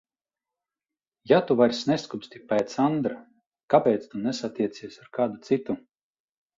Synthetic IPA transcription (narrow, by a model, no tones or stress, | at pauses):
jat̪uvaɾʲsʲnɛskupʲst̪ʲipɛjt̪sand̪ɾa | kapʲɛːt̪st̪unɛsat̪ʲiɛt̪siɛsaɾkaːd̪ut̪sit̪u